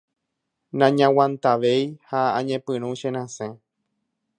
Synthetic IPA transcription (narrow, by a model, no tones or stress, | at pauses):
nãɲãwãnt̪aʋejhaãɲẽpɨ̃ɾ̃ũʃẽɾ̃ãsẽ